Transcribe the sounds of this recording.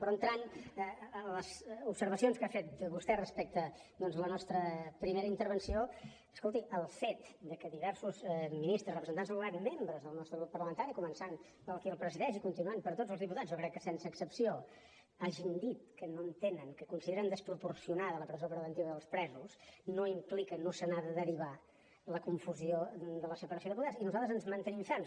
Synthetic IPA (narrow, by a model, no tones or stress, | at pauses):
pɾɔənt̪ɾan | ələzupsəɾβəsionskafet̪̚bust̪ɛrəspɛk̚t̪əd̪ɔnzlənɔst̪ɾəpɾimeɾəint̪əɾβ̞ənsio | ə̥skolˠt̪iəlˠfet̪d̪əkəðiβɛɾsuzminist̪ɾəsrəpɾəzənt̪anzðəlat̪membɾəzðəlˠnɔst̪ɾəɣɾupːəɾləmənt̪aɾikumənsan | pəlˠkiəlˠpɾəziðɛʃikunt̪inuanpəɾt̪od͡zzəlˠzðiput̪add͡zzjokɾɛkːəsɛnsəːksəpsio | aʒind̪it̪kənoənt̪enəŋkəkunsiðeɾənd̪əspɾupuɾsiunaðələpɾəzopɾəβənt̪iβəðəlˠspɾɛzusnoimplikənosənaðəðəɾiβ̞a | ləkuɱfuziod̪ələsəpəɾəsioðiput̪asinuzalˠt̪əzənzmənt̪əniɱfan